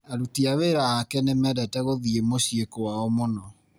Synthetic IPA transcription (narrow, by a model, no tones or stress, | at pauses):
aɾutiaweɾaakɛnemɛdɛtɛɣoðiemoɕiekowaɔmonɔ